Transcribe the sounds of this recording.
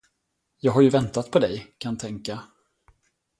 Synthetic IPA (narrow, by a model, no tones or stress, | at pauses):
jɑːɡɦaɾjɵvɛnt̪at̪̚pʰɔd̪ɛjkʰant̪ʰɛŋka